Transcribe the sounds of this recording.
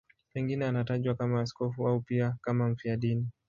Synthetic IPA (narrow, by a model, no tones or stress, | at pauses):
pɛŋɡinɛanataʄwakamaːs̬kɔfuaupiakamam̩fiaɗini